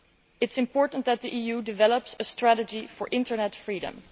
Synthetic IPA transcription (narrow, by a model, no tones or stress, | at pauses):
ɪtɪ̥sɪ̃mpɔɹtn̩t̚ðæt̪̚ðiʔiːjudɪvɛləpsəstɹæɾəd͡ʒifɔɹʔɪ̃ntə˞nɛtfɹiːɾə̰̃m